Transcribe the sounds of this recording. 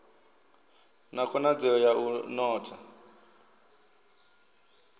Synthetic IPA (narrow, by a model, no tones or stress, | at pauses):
nakʰɔnad͡zɛɔjaʔunɔːtʰa